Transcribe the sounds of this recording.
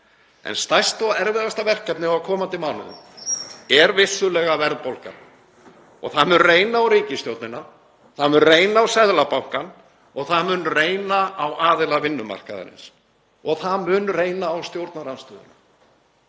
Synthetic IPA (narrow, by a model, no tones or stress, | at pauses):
ɛ̰nst̪ajst̪ɔɛɾvɪðast̪avɛr̥kːɛpnɪɔakʰɔːmant̪ɪmaːwnʏ̰ðʏ̰m | ɛɾvɪsːʏlɛːɣavɛɾðpowlka̰ | ɔ̰ɣθaðmʏnreːjnaawɾiːcɪst̪jowt̪nɪnːa | θaðmʏnreːjnaːwsɛðlapawhkan | ɔɣθaðmʏnreːjnaawaːðɪlavɪnːʏma̰r̥kaða̰ɾɪ̰ns | ɔɣθaðmʏːnrejnaːwst̪jowɾt̪naɾanst̪œːðʏ̰na